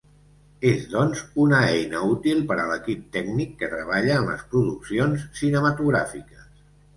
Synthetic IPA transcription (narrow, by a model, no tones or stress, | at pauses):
ezðɔnzunəɛjnəut̪ilˠpəɾələkip̚t̪ɛɡnikːət̪ɾəβ̞aʎəːmlə̰spɾuðuksionssinəmət̪uɣɾa̰fikəs